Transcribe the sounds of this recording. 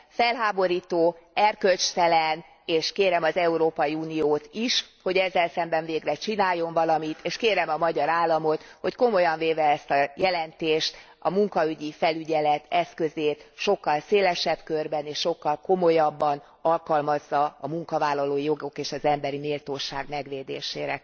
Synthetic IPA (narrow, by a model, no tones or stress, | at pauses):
fɛlɦaːbo̞ɾiːt̪oːɛrkølt͡ʃt̪ɛlɛn | eːʃkeːɾɛmɒzɛuɾoːpɒiuːnijoːt̪iʃho̞ɟɛzːɛlsɛmbɛɱveːɡrɛt͡ʃinaːjːo̞ɱvɒlɒmit̪ʰeːʃkeːɾɛmɒmɒɟɒɾaːlːɒmo̞t̪ho̞cko̞mo̞jɒɱveːvɛɛst̪ɒjɛlɛnt̪eːʃt̪ | ɒmuŋkɒyɟifɛlyɟɛlɛt̪ɛskø̞zeːt̪ʃo̞kːɒlseːlɛʃɛbkørbɛneːʃʃo̞kːɒlko̞mo̞jɒbːɒn | ɒlkɒlmɒzːɒːmuŋkɒvaːlːɒloːijo̞ɡo̞keːʃɒzɛmbɛɾineːlt̪oːʃaːɡmɛɡʋeːd̪eːʃeːɾɛ